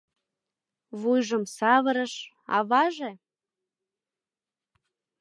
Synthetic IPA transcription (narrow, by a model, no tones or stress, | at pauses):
βujʒəmsɑβəɾəʃ | ɑ̰βɑʒe